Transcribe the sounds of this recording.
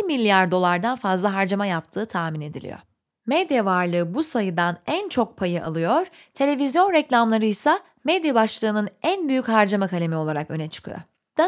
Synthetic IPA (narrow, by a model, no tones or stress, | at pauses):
milʲːjaɾd̪o̞lˠaɾd̪anfazlˠaɦaɾd͡ʒamajap̚t̪ʰɯːt̪ʰahmine̞d̪ilʲḭjo̰ | mɛd̪javaɾlˠɯːbusajɯd̪anænt͡ʃʰo̞k̚pʰajɯʔa̰lˠɯjo̞ɾ̥ | t̪ʰe̞lʲe̞vizjo̞nɾɛclʲamlˠaɾɯjsa | mɛd̪jabaʃlˠɯːnɯnænbyjychaɾd͡ʒamakʰalʲe̞mio̞lˠaɾakø̞̰nɛt͡ʃʰɯ̥kʰɯ̰jo̰ | d̪̥a